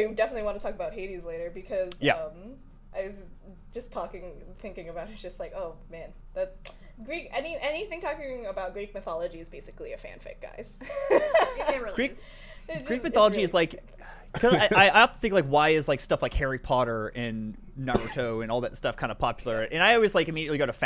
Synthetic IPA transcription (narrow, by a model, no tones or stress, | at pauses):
dɛfəntˡliwɑ̃ntətʰɔkəbaʊt̚ɦeɪɾizleɪɾə˞bɨkʰʌzjæ̰ʌ̃m | ʔaɪwʌz̥ | d͡ʒʌstʰɔkɪ̃ŋθɪ̃ŋkɪ̃ŋɨbaʊɾ̚ɨt̚d̥ʒ̥ʌstˡlaɪkoʊmæ̃n | ðɨt | ɡ̥ɹikɛniʔɛniθɪ̃ŋtʰɔkɪ̃ŋəbaʊt̚ɡ̥ɹik̚mɨθɑlˠəd͡ʒiɨzbeɪsɨ̥kliɨfæ̰̃nfḛɪk̚ɡ̥a̰ɪz̥ | ɛɡ̥ɹi | ɨɡ̥ɹik̚mɨθɑlˠəd͡ʒiɨzlaɪk | kʰʌzaɪaɪaɪəθɪ̃ŋklaɪkwaɪɨzlaɪkstʌflaɪkhɛɹipʰɑɾə˞ʔɪ̃nː | ɑɹoʊtʰoʊɨ̃nɔlˠðɨtstʌfkʰãɪ̃ndə̥pʰɑpjl̩ˠə˞ʔɨ̃naɪɔlˠwizlaɪkɨmiɾiɨtˡliɡoʊɾɨf